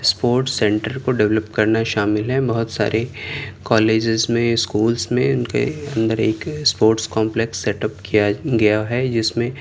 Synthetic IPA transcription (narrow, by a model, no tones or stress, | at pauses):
spoːɾʈsɛ̃ɳʈəɾkoɖɛʋləpkɐɾnaʃaːmɪlɦɛbɐɦʊt̪sa̰ːɾʔekaːleːd͡ʒɪzmẽskuːlsmẽʊnkḛɐ̃nd̪əɾeːkspoːɾʈskɔ̃ːmpleksːɛʈəpkijaɡɐjaɦɛd͡ʒɪsmẽ